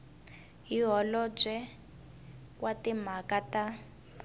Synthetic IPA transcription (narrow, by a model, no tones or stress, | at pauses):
ɦiɦɔlɔb͡ʐɛ | kwatim̤akata